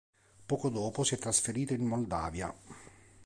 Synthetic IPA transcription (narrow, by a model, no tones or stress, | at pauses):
pɔːkod̪ɔːposiɛt̪ːɾasfeɾiːt̪oinmold̪a̰ːvja̰